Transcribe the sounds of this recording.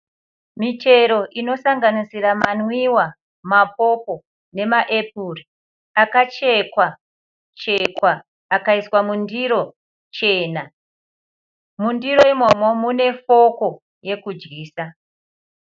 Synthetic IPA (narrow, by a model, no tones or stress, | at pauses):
mitʰe̞ɾo̞ʔino̞saŋɡanisiramanwiwa | map̚o̞ko̞ | ne̞maʔe̞p̚uri | akat͡ʃe̞kwa | t͡ʃe̞kwaː | kaiswamundiɾo̞ | t͡ʃe̞ːna | mundiɾo̞imo̞mo̞mune̞fo̞ko̞ | je̞kud͡ʒɡiːsa